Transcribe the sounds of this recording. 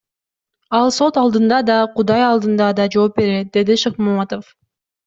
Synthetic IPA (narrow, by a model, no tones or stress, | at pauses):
ɑlˠso̞t̪ɑlˠd̪ɯnd̪ɑd̪ɑqud̪ɑjɑlˠd̪ɯnd̪ɑd̪ɑd͡ʒo̞ːp̚be̞ɾet̪̚d̪e̞d̪iʃɨqmumɑt̪of